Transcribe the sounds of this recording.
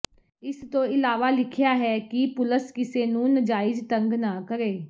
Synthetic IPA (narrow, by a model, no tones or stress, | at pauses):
ɪst̪õːɪlaːʋaːlɪkʰɪjaːɦɛːkipʊləskɪseːnũːnəd͡ʒaːɪd͡ʒt̪ə̃ŋɡnaːkəɾeː